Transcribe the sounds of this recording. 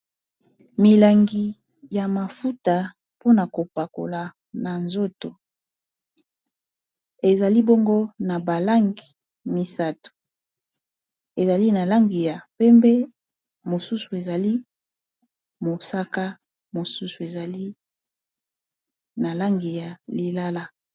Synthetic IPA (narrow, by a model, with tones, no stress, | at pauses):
mi˨la˨ŋɡi˨ | ja˨ma˨fu˦ta˨ | po˦na˨ko˨pa˨ko̰˨la˨ | na˨nzo˦to˨ | e˨za˨li˦bo˦ŋɡo˦na˨ba˨la˦ŋɡi˨ | mi˨sa˦to̥˨ | e˨za˨li˦na˨la˦ŋɡi˨ja˨pɛ˦mbe˦ | mo˨su˦su˨e˨za˨li˦ | mo˨sa˦ka˦ | mo˨su˦su˨e˨za˨li˦ | na˨la˦ŋɡi˨ja˨li˨la˦la˦